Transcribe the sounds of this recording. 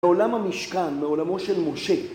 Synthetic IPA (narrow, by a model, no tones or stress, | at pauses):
olamhamiʃkanmeo̞lamo̞ʃelmo̞ʃe̞